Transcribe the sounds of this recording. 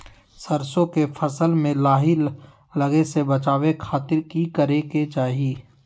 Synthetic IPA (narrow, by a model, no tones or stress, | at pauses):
sɐɾsõkefʰɐsəlmẽlaːɦɪlː | ɐɡesebɐt͡ʃaːwekʰaːt̪ɪɾkikəɾeket͡ʃaːɦieː